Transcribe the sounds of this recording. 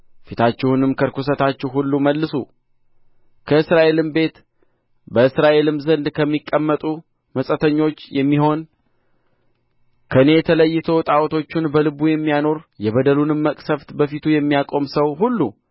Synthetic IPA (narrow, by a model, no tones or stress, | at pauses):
fit̪ʰat͡ʃːɛhunɨmkʰəɾkʰus̬ət̪at͡ʃːɛwhulːuməlːɨsṵ | kʰəɨsɾaʔe̞lɨmbe̞t̪ | bəɨsɾaʔe̞lɨmzənd̪kʰəmːikʼːəmːət̪ʼu | məsʼət̪ʰəɲːo̞t͡ʃːjɛmːiɦo̞n | kʰəɨne̞jɛt̪ʰələjːɪt̪ʰo̞t̪ʼawt̪ʰo̞t͡ʃːɪnbəlɨbujɛmːijano̞ɾjɛβəd̪əlunɨmːəkʼsəft̪bəfit̪ʰujɛmːijakʼo̞msəwɦulːu